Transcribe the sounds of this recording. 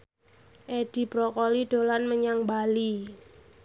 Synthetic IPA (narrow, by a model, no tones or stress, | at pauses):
ʔed̥i̤b̥ɾɔkɔliɖ̥o̤lanməɲaŋbali